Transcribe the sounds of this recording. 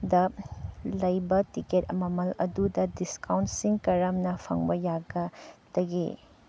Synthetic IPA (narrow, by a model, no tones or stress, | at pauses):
dɐ | lɐjbɐtiketɐmɐmɐlɐ̰dudɐdiskawntsiŋkɐɾɐmnɐpʰɐ̰ŋbɐjaɡɐd̥ɐɡḭ